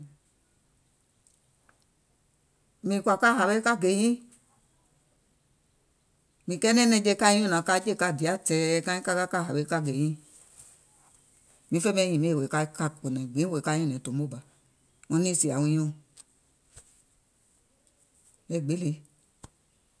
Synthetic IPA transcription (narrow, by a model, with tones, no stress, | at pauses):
mĩ˨kʷa˧ka˦ha˨be˦ka˦ɡe˨jĩ˦ | mĩ˨kɛ˦nɛ˦nɛ˧˨d͡ʒe˦˧˦ka˦jĩ˦o˦˨nã˨ka˧˦d͡ʒe˦˨ka˧˨di˨a˦tɛ˧ka˦ĩ˦ka˦ɡa˦ka˦˨ɦa˨be˨˦ka˦ɡe˨jĩ˦ | mĩ˨˧˦fe˦mɛ˦jĩ˨me˦˨we˨ka˧˦ka˧k͡po˨nɛ˨ɡ͡bi˨˦we˨ka˦jõ˦˨nɛ̃˨to˨mo˦˨ba˨ | o˧˦ni˦˨si˨a˨wũ˧jõ˧ | e˦˨ɡ͡be˦le˧